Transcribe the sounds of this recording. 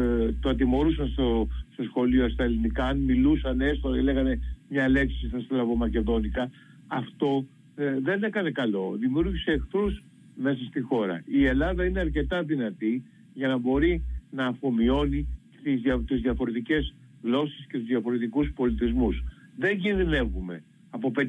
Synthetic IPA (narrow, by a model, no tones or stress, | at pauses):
t̪oɐt̪̬imo̞ɾusɐnst̪ost̪o̞sxo̞lioɐst̪ɐelinikɐːnmilusɐneest̪oile̞ɣɐne̞mɲɐle̞ksisst̪ɐst̪olɐvo̞mɐce̞ðo̞nikɐː | ft̪o̞ | ðe̞ne̞kɐne̞kɐlo̞ðimiuɾʝise̞ːkθɾus | me̞sɐst̪ixo̞ɾɐ̰ie̞lɐðɐineɐɾce̞t̪ɐðinɐt̪i | ʝɐnɐbo̞ɾinɐːfo̞mio̞ni | t̪izɐt̪uzðiɐfo̞ɾe̞t̪ice̞z | ɣlo̞si̥sce̞t̪uzðjɐfo̞ɾe̞t̪ikuspo̞lit̪izmusðe̞ɲɟinðine̞vume̞ | ɐpo̞pe